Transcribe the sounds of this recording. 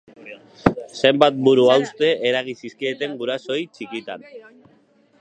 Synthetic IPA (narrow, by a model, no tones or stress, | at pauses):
se̞mbat̪̚buɾuawst̪e̞ʔeɾaɣisiskiet̪e̞ŋɡuɾaso̞jt͡ʃikit̪a̰n